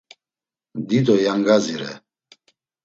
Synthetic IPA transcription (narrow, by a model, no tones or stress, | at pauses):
d̪id̪ɔjaŋɡaziɾɛ̰